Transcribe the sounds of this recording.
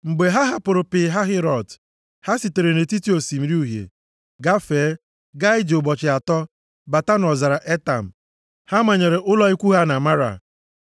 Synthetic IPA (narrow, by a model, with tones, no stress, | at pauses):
ŋ͡m̩˨ɡ͡be˨ɦa˦ɦa˦pʊ˨ɾʊ˨pɪ˨ɦa˦ɦɪ˦ɾɔ˨d | ha˦si˨te˨ɾe˨ne˨ti˦ti˦o˨si˨m̩˨˦ɾi˦u˦˨ɦjḛ˨ | ɡa˦feː˨˦ | ɡa˦ɪ˦d͡ʒʊ˨bɔ˨t͡ʃɪ˨a˨tɔ˦ | ba˨ta˦nɔ˨za˨ɾa˨ʔe˦ta˨m̩˨ | ha˦ma˨ɲe˨ɾe˨ʔʊ˦lɔ˦i˦kʷu˦ɦa˦na˨ma˦ɾa̰˨